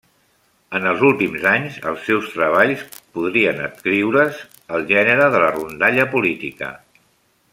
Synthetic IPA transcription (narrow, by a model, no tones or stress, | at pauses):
ənəlˠzulˠt̪imzaɲzə̰lˠsːɛwst̪ɾəβ̞aʎspuðɾiənət̪kɾiwɾəz | əlˠʒɛnəɾəðələrund̪aʎəpulit̪ikə̰